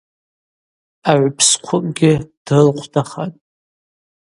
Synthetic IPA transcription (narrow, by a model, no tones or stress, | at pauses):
aʕʷpʰsqʷʰʊmʼɡʲɪd̥ɨlqʷʰdʰaχatʼ